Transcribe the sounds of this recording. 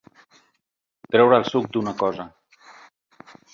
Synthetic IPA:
t̪ɾɛwɾəːlˠsuk̚d̪unəkɔzə

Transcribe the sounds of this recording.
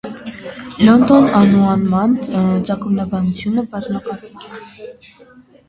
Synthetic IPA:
lɔnd̪ɔnɑnuɑnmɑnt͡sɑkumnɑbɑnut͡sʰjunəbɑzmɑkɑɾt͡sikʰɛ

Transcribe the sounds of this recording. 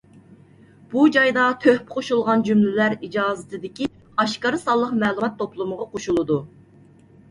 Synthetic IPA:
b̥ud͡ʒɑjd̪ɑt̪ʰøhpɪqʰoʃulˠʁɑnd͡ʒymlɪlæɾid͡ʒɑːzɪt̪ɪd̪ɪkʲi | ɑʃkɑɾɨsɑlˠːəqmɛːlˠumɑt̪ʰːoplˠuməʁɑqʰoʃulˠɨd̪u

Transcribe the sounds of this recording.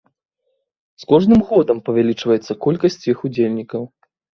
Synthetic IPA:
skɔʐnɨmɣɔd̪ɐmpɐvʲalʲit͡ʂvɐjɛt̪sːɐkɔlʲkɐsʲt͡sʲjixud͡zʲelʲnʲikɐw

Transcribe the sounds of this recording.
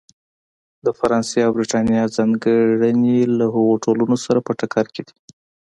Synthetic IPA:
d̪əfaɾɑnseawbɾiʈɑnijɑzɑŋɡəɽənelaɦəɣoʈolunosaɾapəʈakʰɑɾked̪i̥

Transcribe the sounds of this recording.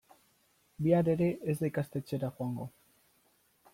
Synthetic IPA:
biaɾe̞ɾe̞ezd̪ejkast̪e̞t͡ʃeɾaxoaŋɡo̞

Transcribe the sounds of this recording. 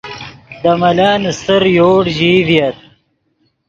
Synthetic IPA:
d̪ɐmɐlaːnst̪əɾjoːɽʑiːvjɐt̪̚

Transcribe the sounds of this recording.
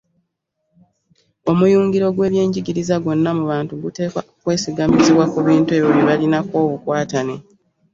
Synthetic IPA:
o̞mujuːŋɡiɾo̞ɡwe̞ːβje̞ːɲɟiɡiɾizaɡo̞nːamuβaːntuɡute̞ːka̰okwe̞ːsiɡamiziβwakuβiːntue̞βjoβiβalinako̞ːβukwaːtane

